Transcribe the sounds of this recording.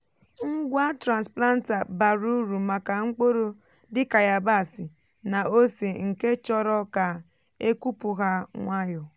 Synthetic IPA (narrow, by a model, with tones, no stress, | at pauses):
ŋ̩˦ɡʷa˦tɾa˨nspla˦n̩˦ta˨ba˨ɾu˦ɾu˨ma˨ka˨ŋ͡m̩˦k͡po˦ɾo˦ | dɪ˦ka˨ja˨ba˦˨si˨ | na˨o˦si˨ŋ̩˨ke˦t͡ʃɔ˦ɾɔ˦ka˨ | e˦ku˦pʊ˨ɦa˦ŋʷa˦jɔ˨